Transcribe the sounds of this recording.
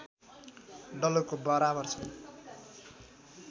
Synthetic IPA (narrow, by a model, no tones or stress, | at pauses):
ɖʌlokobʌɾabʌrt͡sʰʌ